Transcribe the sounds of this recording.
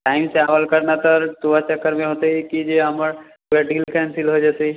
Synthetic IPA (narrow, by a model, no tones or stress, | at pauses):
ʈaːɪmseaːʋəlkəɾnat̪əɾt̪uat͡ʃəkːəɾmẽɦoːt̪eɛkid͡ʒeɦɐməɾ | ɾaɖilkɛːnsɪlɦod͡ʒat̪eɦi